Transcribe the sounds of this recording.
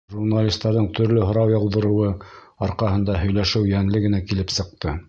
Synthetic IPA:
ʒurnalʲist̪ːɑɾðɤɴt̪ʰɵ̆ɾlɵɦŏɾɑwjɑlˠd̪ɤ̆ɾɤ̆wɤɑɾqɑɦɤ̆nd̪ɑɦɵ̆jlæʃɘwjæŋlɘɡɘ̆nækilɘpsɤ̆q̚t̪ɤ

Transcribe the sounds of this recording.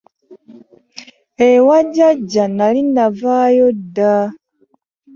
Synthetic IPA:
ewaɟaɟːanalinavajodːa

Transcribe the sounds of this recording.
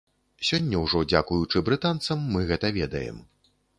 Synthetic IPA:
sʲɔnʲːɐwʐɔd͡zʲakujut͡ʂɨbɾɨt̪ant̪sɐmːɨɣɛt̪ɐvʲɛd̪ɐjɛ̰m

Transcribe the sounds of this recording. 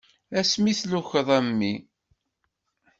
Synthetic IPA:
æsmiθluçəðˤæmːi

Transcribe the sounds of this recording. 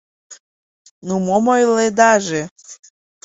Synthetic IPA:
numɔmɔjlɛd̪aʒɛ

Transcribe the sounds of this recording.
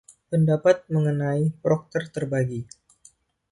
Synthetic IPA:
pəndapat̪̚məŋənaipɾɔk̚t̪ərt̪ərbaɡi

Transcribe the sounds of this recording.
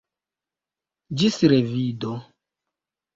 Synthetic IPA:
d͡ʒisiɾevido

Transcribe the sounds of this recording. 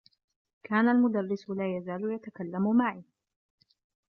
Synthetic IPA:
kʰaːnalmʊd̪arːɪsʊlaːjazaːlʊjat̪akalːamʊmaʕiː

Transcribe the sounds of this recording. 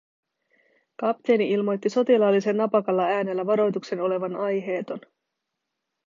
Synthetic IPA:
kɑpt̪e̞ːniilmo̞jt̪ːiso̞t̪ilɑlːise̞nːɑpɑkɑlːɑæːne̞lːæʋɑɾo̞jt̪ukse̞no̞le̞ʋɑnɑjɦe̞ːt̪o̞n

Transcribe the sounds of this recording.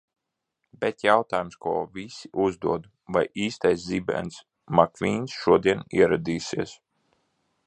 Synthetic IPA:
bʲɛt̪jawt̪aːjumskuːvʲisiʔuzd̪uɔd̪ | vajʔiːst̪ajszibɛ̰ns | makvʲiːnsʃuɔd̪iɛniɛɾad̪iːsiɛs

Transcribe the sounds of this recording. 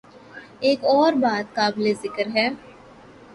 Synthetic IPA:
eːkɔːɾbaːt̪̚kaːblezɪkəɾɦɛː

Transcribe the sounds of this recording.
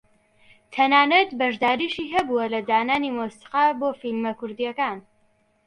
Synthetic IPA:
t̪ʰɐnaːnɐt̪bɐʒd̪aːɾiːʃiːɦɐbuwɐlɐdaːnaːniːmosi̥qaːboːfilmɐkʊɾd̪ijɛkaːn

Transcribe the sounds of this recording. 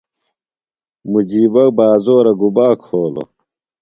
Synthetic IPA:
mud͡ʑiːbɐbaːzoːɾɐɡubaːkʰoːlo̰

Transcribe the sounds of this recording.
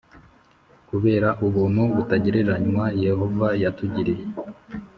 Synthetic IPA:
kuβe̞ːɾaʔuβuːnuβutaɟiɾeɾaɲumaje̞ho̞vajatuɟiɾeje

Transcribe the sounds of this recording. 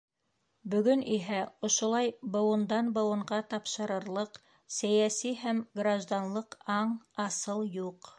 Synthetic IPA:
bɵ̆ɡɵniɦæŏʃŏlˠɑjbŏwɤ̆nd̪ɑnbɤ̆wɤ̆ɴɢɑt̪ɑpʃɤ̆ɾɤ̆ɾlˠɤq | sæjæsiɦæmɡraʒd̪anlˠɤqɑɴɑsɤlˠjuq

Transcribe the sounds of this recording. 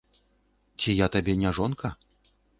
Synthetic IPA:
t͡sʲijat̪abʲɛnʲaʐɔnkɐ

